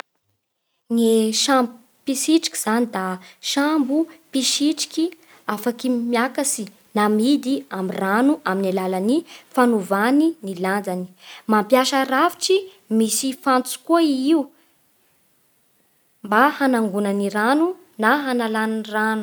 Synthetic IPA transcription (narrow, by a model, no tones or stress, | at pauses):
ŋeʃambu | piʃiʈ͡ʂi̥kʲi̥z̥anid̪aʃambupiʃiʈ͡ʂi̥kʲi | afakimjakasi | namid̪iamiranuʔaminalalanifanuvaniniland͡zani̥mampjaʃərafi̥ʈ͡ʂi | misifant͡su̥koiiu | mbahanaŋɡunaniɾanu | naɦanalannranu̥